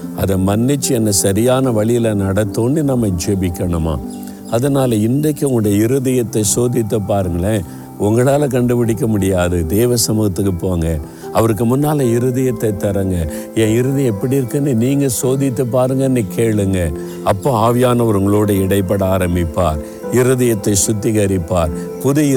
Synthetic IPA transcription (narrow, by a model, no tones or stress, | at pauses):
ɐ̰ðɐmɐnːɪt͡ʃːɯɛnːɐsɐɾɪjaːnɐʋɐɭɪjɪlɐnɐɽɐt̪ːoːnːɯnɐmːɐɪd͡ʒɛbɪkːɐɳɯma̰ː | ɐðɐnaːlɐɪnd̪ɐkːɯʊŋɽɐjɐɪɾɯðɐjɐt̪ːɐsoːðɪt̪ːɯpːaːɾɯŋɡɐɭɐ | ʊŋɡɐɭaːlɐk̬ɐɳɖɯpɪɽɪk̬ːɐmʊɽɪjaːðɯd̪eːʋɐsɐmɯːɣɐt̪ːɯkːɯpːoːŋɡɐ | ɐʋɐɾɯk̬ːɯmʊnːaːlɐɪɾɯðɐjɐt̪ːɐɪt̪ːɐɾɐŋɡɐ | ẽːɪɾɯðɐɛpːɐɽiɪɾɯkːɐnːɯniːŋɡɐsoːðɪt̪ːɐpːaːɾɯŋɡɐnːɯkeːɭɯŋɡɐ | ɐpːõːaːʋɪjaːnɐʋɐɾɯŋɡɐɭoːɽɐɪɽɐɪpːɐɽɐaːɾɐmbɪpːa̰ːɾ | ɪɾɯðɐjɐt̪ːɐɪsʊt̪ːɪɣɐɾɪpːaːɾ | pʊðɪ